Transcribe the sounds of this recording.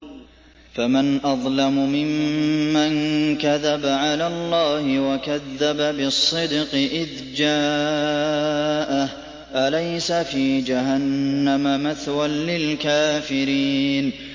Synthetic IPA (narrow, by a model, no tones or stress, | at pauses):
famanʔɑðˤlamʊmɪmːankaðabaʕalaːlˤːɑːhɪwakaðːababɪsˤːɨd̪qɨʔɪð | d͡ʒaː | ʔah | ʔalajsafiːd͡ʒahanːamamaθwanlɪlkaːfɪɾiːn